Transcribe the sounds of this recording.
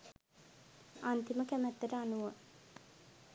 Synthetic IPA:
ant̪iməkæmæt̪ːəʈəanuʋo

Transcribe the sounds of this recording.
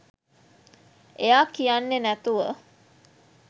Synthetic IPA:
ejaːkijanːenæt̪uʋə

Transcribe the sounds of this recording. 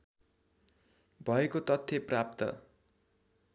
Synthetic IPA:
bʱʌekot̪ʌt̪ʰːeprap̚t̪ʌ̰

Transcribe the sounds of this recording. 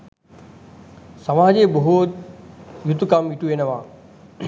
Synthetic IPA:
sɐmaːɦd͡ʑeːbɐɦʊt̪jʊt̪ːkaːmiːʈueːnəʋaː

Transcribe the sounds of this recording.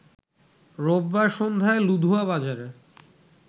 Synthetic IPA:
ɾobːaʃond̪ʱaelud̪ʱuaβad͡ʑaɾe

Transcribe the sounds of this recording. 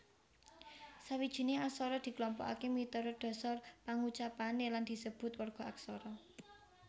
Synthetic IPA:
sawid̥ʒ̥i̤neasɔɾɔd̪̥i̤klɔmpɔ̰ka̰kemit̪ɔɾɔd̪̥ɔ̤sarpaŋut͡ʃapaneland̪̥i̤səb̥ʊ̤t̪warɡ̥ɔ̤aksɔɾɔ

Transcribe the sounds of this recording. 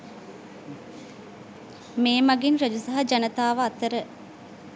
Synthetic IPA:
meːmaɡinɾəd͡ʒusaɦɐd͡ʒanət̪aːʋəːt̪əɾə

